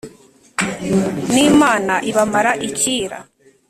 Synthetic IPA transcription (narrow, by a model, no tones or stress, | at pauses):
niːmaːnaʔiβamaɾaʔiciːɾa̰